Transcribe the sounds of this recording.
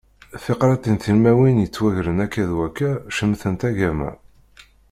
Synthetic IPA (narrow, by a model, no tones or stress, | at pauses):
θeqɾˤɑt̪ˤinθilmæwinjət͡sːwæʝɾənækːæðwækːæʃəmθənt̪æʝæmæ̰